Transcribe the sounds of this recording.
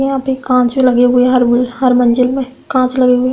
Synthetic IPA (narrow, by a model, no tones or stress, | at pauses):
ẽaːpekãːt͡ʃmẽlɐɡeɦʊeɦɐɾbʊlhɐɾmɐ̃ɲd͡ʒəlmẽkãːt͡ʃlɐɡeɦʊe